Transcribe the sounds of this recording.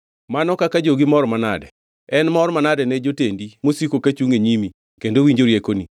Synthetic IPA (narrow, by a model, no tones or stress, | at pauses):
manɔkakad͡ʒoɡimɔɾmana̰dɛ̰ | ɛnmɔɾmanadɛnɛd͡ʒotendimosikokat͡ʃuŋeɲimi | kendowiɲd͡ʒoɾjekoni